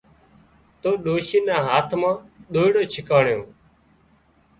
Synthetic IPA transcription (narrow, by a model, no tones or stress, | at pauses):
t̪oːɗoːʃiːnãːɦaːt̪ʰmãːɗ̪oːɪɽoːt͡ʃʰɪkaːɳjõː